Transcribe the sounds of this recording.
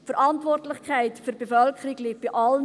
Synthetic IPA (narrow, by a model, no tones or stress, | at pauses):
fəɾʔɑntʋɔrtlɪχkʰæɪtfyɾb̥efœlkʰχəɾiɡlik̚b̥iʔɑlə